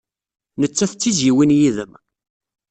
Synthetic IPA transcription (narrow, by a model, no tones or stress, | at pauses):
nət͡sːæθt͡sːiziwinjiðəm